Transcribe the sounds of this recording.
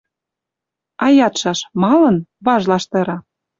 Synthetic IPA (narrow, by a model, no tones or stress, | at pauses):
ɑjɑt̪ʃɑʃmɑlɤ̆nβɑʒlɑʃt̪ɤ̆ɾɑ